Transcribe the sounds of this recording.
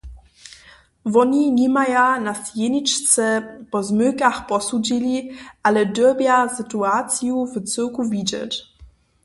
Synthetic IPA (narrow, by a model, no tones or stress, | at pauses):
vɔniɲimajanasjenit͡ʃt͡sɛpɔzmøkaxpɔsud͡ʑiliʔalɛdəbjasɨtuat͡sjuvt͡sɘkuvid͡ʑɛ̰t